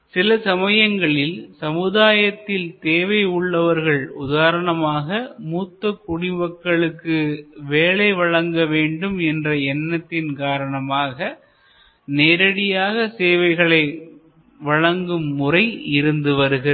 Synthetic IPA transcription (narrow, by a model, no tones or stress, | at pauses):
sɪlɐsɐmɐjɐŋɡɐɭɪlsɐmɯðaːjɐt̪ːɪlt̪eːʋɐɪʊɭːɐʋɐɾɣɐɭʊðaːɾɐɳɐmaːɣɐmuːt̪ːɐkːʊɽɪʋɐkːɐɭɯkːɯʋeːɭɐɪʋɐɻɐŋɡɐʋeːɳɖɯmɛndrɐɛnːɐt̪ːɪnkaːɾɐɳɐmaːɣɐ | neːɾɐɽɪjaːɣɐseːʋɐɪɣɐɭɐɪ | ʋɐɻɐŋɡɯmːʊrɐɪɪɾɯnd̪ɯʋɐɾɯɣɪɾ